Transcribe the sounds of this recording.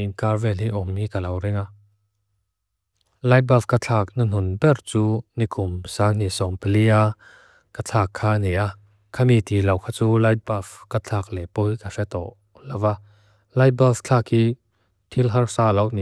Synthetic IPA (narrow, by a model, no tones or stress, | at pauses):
inkarvɛlhiʔɔmːikalɐwrɪŋa | lajt̚bafkat͡ɬʰaːk̚nɐn̥ʊnbɛrt͡suːnikʰʊmsan̥isɔmpelia | kat͡ɬʰaːkʰːaːnɛʔa | kʰamit̪iːlɐwkʰaːt͡suːlajt̚bafkat͡ɬʰaːk̚lɛpɔjkafɛt̪ɔ̰ʔ | lawa | lajt̚baft͡ɬʰakhiː | t̪ʰilɦɐrsaːlɐwni